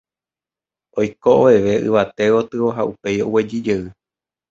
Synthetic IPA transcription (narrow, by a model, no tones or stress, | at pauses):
ojkoʔoʋe̞ʋe̞ʔɨ̰ʋat̪e̞ʋo̞t̪ɨoɦaʔupe̞jowe̞d͡ʒid͡ʒeɨ